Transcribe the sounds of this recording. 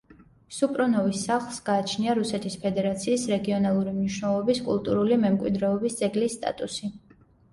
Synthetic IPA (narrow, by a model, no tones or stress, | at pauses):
supʼɾɔnɔvisːaχlˠsɡaːt͡ʃʰniaɾusɛt̪ʰispʰɛd̪ɛɾat̪sʰiːsɾɛɡiɔnalˠuɾimniʃnɛlˠɔbiskʼṵlˠt̪ʼuɾulimɛmkʼwḭd̪ɾɛɔbisd̪z̥ʼɛɡlisːt̪ʼa̰t̪ʼusi